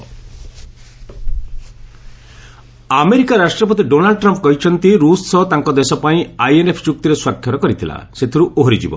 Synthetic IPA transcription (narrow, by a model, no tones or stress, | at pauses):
ameɾikaɾasʈɾɔpɔt̪̬iɖonalɖʈɾɔmpkɔɦit͡ʃʰɔnt̪iɾussɔt̪aŋkɔd̪esɔpaĩajenepʰt͡ʃuk̚t̪iɾeswakʰjɔɾɔkɔɾit̪ʰila̰set̪ʰiɾuʔoɦoɾid͡ʒibɔ̰